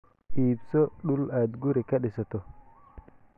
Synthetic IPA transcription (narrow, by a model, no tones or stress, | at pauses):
iːbsoɗulad̪ɡuɾikaɗesot̪o